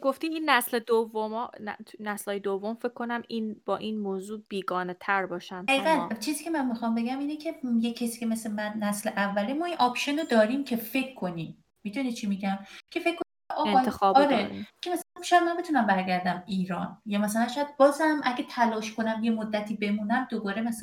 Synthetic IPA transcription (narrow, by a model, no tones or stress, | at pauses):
ɡoft̪iːiːnːæsled̪ovːomɒt̪næslɒːjed̪ovːomfe̞kʰːo̞næminb̥ɒːʔinmoːzuːb̥iːɡɒːnet̪ʰæɾbɒːʃænæiːɡænt͡ʃʰiːziːcʰe̞mænmixɒmbe̞ɡæmiːnecʰejecʰːesi̥ːcʰemeslemænːæsleʔævːælemɒːinʔɒpʃonod̪ɒːɾimcʰe̞fe̞kʰːonimː | id̪unit͡ʃʰimiɟæmcʰe̞fekʰːonieʔɒːɣenɒt̪ʰexɒɒɾekʰemæsælænʃɔːjæd̪mænbet̪ʰunæmbæɾɟæɾd̪æmiːɾɒːnjɒːmæsælænʃɔjæd̪̚bɒːzæmʔæɡet̪ʰælɒːʃkʰo̞næmje̞mod̪ːæt̪ʰiːbe̞muːnæmd̪obɒːɾemæs